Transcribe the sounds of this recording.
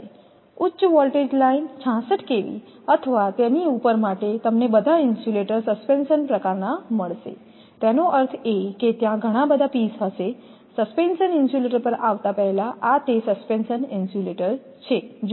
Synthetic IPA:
utːɕʋɔlʈed͡ʑlaint͡ɕʰãsəʈkeʋḭː | ət̪ʰəʋat̪janiupəɾmaʈet̪əmnebəd̪ʱainsuleʈəɾsəspensənpɾəkaɾnaməɭsḛ | t̪janoʔəɾt̪ʰeket̪jãɡʱəɽ̃abəd̪ʱapiːsəse | səspensəninsjuleʈəɾpəɾaʋt̪apɛɦlaʔat̪esəspensəninsuleʈəɾ | t͡ɕʰed͡ʑ

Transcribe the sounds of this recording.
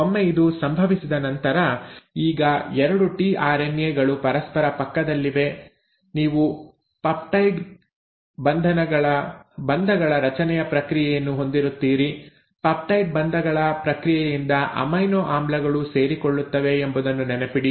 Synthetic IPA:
omːeid̪usɐmbʱɐʋisid̪ɐnɐnt̪ɐɾɐiːɡɐɛɾɐɽuʈiːʔaːɾenjeːɡɐɭupɐɾɐspɐɾɐpɐkːɐd̪ɐlːiʋe̞ | niːʋu | pɐp̚ʈɐjʈ | bɐnd̪ʱɐnɐɡɐɭɐbɐnd̪ʱɐɡɐɭɐɾɐt͡ʃɐnɛjɐpɾɐkɾijɛjɐnːuɦo̞nd̪iɾut̪ːiːɾi | pɐp̚ʈɐjʈ̚bɐnd̪ʱɐɡɐɭɐpɾɐkɾijɛjind̪ɐʔɐ̰mɐjnoːʔaːmblɐɡɐɭuse̞ːɾiko̞ɭːut̪ːɐʋe̞ːmbud̪ɐnːunɛnepiɽi

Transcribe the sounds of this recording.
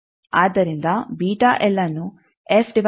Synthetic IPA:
aːd̪ɐɾind̪ɐbiːʈaʔɛlːɐnu | efɖiʋ

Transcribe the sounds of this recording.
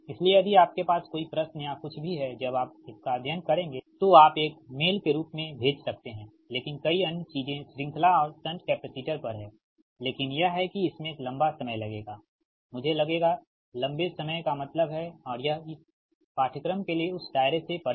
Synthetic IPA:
ɪslieɐb̪ʱiaːp̚kepaːskoːipɾɐsnjakʊt͡ʃʰbʱiɦɛd͡ʒɐbaːp̚ɪskaɐd̪ʱjənkɐɾẽːŋɡeːt̪oaːpeːkmeːlkeɾuːpmẽbʱeːd͡ʒsɐk̚t̪eɦɛ̃ː | leːkɪnkɐiɐnjət͡ʃiːzẽsɾɪ̃ŋkʰlaɔːɾsɐ̃nʈkɛːpəsiːʈəɾpɐɾɦɛ̃ː | leːkɪnjɐɦɦɛkiɪsmẽeːklɐ̃mbasɐməjlɐɡeːɡaː | mʊd͡ʒʱelɐɡeːɡa | lɐ̃mbesɐməjkamɐt̪ləbɦɛɔːɾjɐɦɪs | paːʈʰəkɾəmkelieʊsɖaːɪɾesepɐɽ

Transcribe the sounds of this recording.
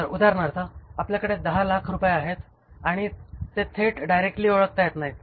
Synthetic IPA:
əɾud̪ʱaɾɳaɾt̪aapljakəɽed̪əɦalakʰɾupjeaɦet̪ | aɽ̃it̪et̪ʰeʈɖajɾek̚ʈliːoɭək̚t̪ajet̪naɦi

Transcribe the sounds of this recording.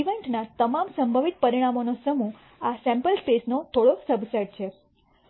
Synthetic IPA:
iʋeɳʈnat̪əmamsəmbʱəʋit̪̚pəɾiɽ̃amonosəmu | asɛ̃mpəlspesnot̪ʰoɽosəbsəɖ̚t͡ʃʰe

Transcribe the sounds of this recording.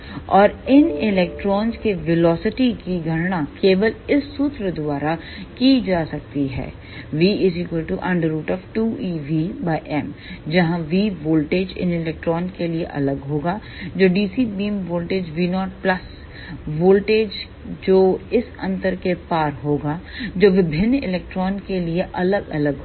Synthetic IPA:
ɔːɾɪnɪlɛk̚ʈɾɔːnd͡ʒkeʋɪlɔːsɪʈikiɡʱɐɽnakeːʋəlɪsːuːt̪ɾəd̪ʊʋaːɾa | kid͡ʒaːsɐk̚t̪iɦɛ̰ː | ʋiːɪzikəlʈuʔɐ̃ɳɖəɾːuːʈɔːʋʈuːiːʋibaɪʔɛːmd͡ʒɐɦãʋiːʋoːlʈeːd͡ʒɪ̰nɪlɛːk̚ʈɾɔːnkelieʔɐ̰ləɡɦoːɡaː | d͡ʒoːɖiːsibiːmʋoːlʈeːd͡ʒʋiːnɔːʈ̚plɐs | ʋoːlʈeːd͡ʒ | d͡ʒoːɪsɐ̰̃nt̪əɾkepaːɾɦoːɡaːd͡ʒoːʋɪbʱɪnːɪlɛːk̚ʈɾɔːnkelieʔɐləɡɐ̰ləɡɦ

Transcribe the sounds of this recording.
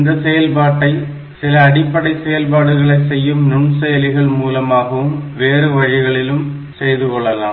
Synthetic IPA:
nd̪ɐsɛjɐlpaːʈːɐɪ | sɪlɐːɽɪpːɐɽɐɪsɛjɐlpaːɽɯɣɐɭɐɪsɛjːɯmnʊɳsɛjɐlɪɣɐɭmuːlɐmaːɣɐʋɯmʋeːɾɯʋɐɻɪɣɐɭɪlɯm | sɛjðɯkɔɭːɐla̰ː

